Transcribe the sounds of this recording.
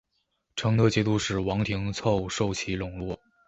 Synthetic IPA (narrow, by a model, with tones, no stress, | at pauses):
ʈ͡ʂʰɤ˧˥ŋt̪ɤ˧t͡ɕjɛ˧˥t̪u˥˧ʂɻ̩˥˩wɑ˧˥ŋt̪ʰi˧˥ŋt͡sʰo˥˧ʊʂo˥˩ʊt͡ɕʰi˧˥lʊ˨˩ŋlwɔ˥˩